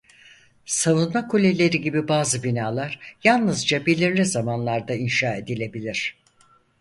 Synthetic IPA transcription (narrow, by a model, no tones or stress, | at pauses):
savunmakʰolʲelʲe̞ɾiɟibibaːzɯbinaːlˠaɾ̥jalˠnɯzd͡ʒabilʲiɾlʲizamanlˠaɾd̪ainʃaːe̞d̪ilʲe̞bilʲiɾ̝̥